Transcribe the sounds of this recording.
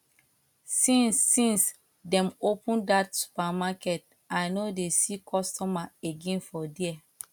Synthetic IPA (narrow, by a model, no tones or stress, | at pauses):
sĩnsːĩns | dɛ̃mopũndatsu̥pamakɛt̚ | ajnodesikʰɔstɔmaeɡẽnfɔdiɛ